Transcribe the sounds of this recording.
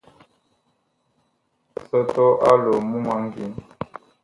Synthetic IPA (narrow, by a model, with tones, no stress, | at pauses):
sə˦tɔ˦ʔa˦lo˨mu˦ma˦ŋ˦ɡi˨˦n